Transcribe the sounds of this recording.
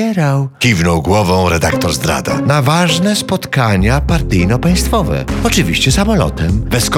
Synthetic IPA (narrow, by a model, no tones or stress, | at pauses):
ɛɾawkʲivnɔwɡwɔvɔ̃w̃ɾɛd̪ak̚t̪ɔɾzd̪ɾa̰d̪a̰navaʐnɛspɔt̪kaɲapaɾt̪ɘjnɔpãj̃st̪fɔvɛ̰ɔt͡ʂɨvʲḭɕt͡ɕɛsamɔlɔ̰t̪ɛmvɛsk